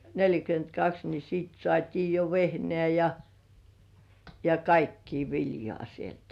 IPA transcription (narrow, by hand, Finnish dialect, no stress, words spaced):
nelʲjækyentkɑks ni siːt sŏɑˑtʲiː jo ʋehnĕæˑ jɑ jɑ kɑikːiː ʋiljŏɑˑ sieltæ̥